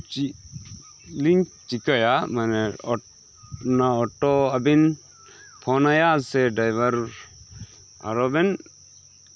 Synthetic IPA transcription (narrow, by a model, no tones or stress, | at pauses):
t͡ʃi | liŋkt͡ʃikəjamanɛɔ | naɔʈːɔɐbin | pʰɔnajasɛɖajʋɐɾ | a̰ɾɔbɛn